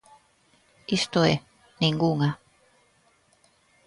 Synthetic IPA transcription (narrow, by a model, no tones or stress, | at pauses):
ist̪oe | niŋɡuŋa